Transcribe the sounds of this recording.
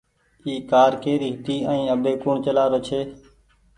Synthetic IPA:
iːkaːɾkeːɾiːɦɪt̪iːə̃ːĩːəbeːkuːɳt͡ʃəlaːɾoːt͡ʃʰeː

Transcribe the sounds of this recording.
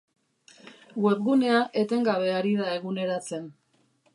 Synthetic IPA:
ɡwe̞p̚ɣune̞aʔe̞t̪e̞ŋɡaβ̞e̞aɾiðae̞ɣune̞ɾat͡se̞n

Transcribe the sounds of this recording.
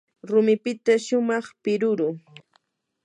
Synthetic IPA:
ɾʊmɪpɪt̪aʃʊmɑχpɪɾʊɾʊ

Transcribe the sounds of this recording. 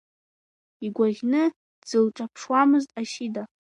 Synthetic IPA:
iɡʷaʁʲnɨ | d͡zɨlʈ͡ʂʼapʰʂwamɨztʼaʃida

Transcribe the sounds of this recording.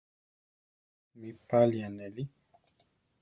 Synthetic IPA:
mipalianɛli

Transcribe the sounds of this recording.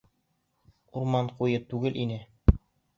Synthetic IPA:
uɾmɑɴqujɤt̪ʉɡɘlʔinɘ

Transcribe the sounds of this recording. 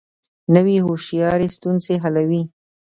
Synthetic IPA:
nəwiɦoʃjɑɾest̪unseɦalawi

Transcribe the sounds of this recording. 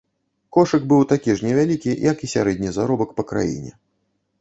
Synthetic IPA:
kɔʂɨɡbɨwt̪akʲiʐnʲɛvʲalʲikʲijɐkisʲaɾɛd̪ʲnʲizaɾɔbɐkpɐkɾa̰jḭnʲɛ̰

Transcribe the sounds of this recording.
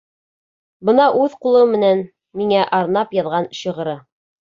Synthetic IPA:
bɤnɑʔʉðqulˠɤmːɘ̆næn | miŋæʔɑɾnɑpjɑðʁɑnɕɤ̆ʁɤ̆ɾɤ

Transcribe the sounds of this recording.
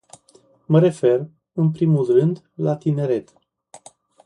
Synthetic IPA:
məɾe̞fe̞r | ɨnpɾimulrɨnd̪ | lat̪ine̞ɾe̞t̪

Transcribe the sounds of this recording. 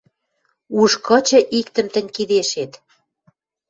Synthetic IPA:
uʃkɤ̆t͡ɕɤ̆ʔikt̪ə̆mt̪ə̆nʲkid̪eʃet̪

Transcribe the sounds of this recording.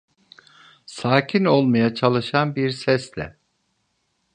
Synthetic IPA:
saːcʰino̞lˠmajat͡ʃʰalˠɯʃanbiɾsɛslʲɛ̰

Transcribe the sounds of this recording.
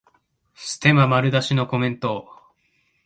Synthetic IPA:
sɨ̥t̪e̞mamaɾɯ̟d̪aɕino̞ko̞mẽ̞nt̪o̞

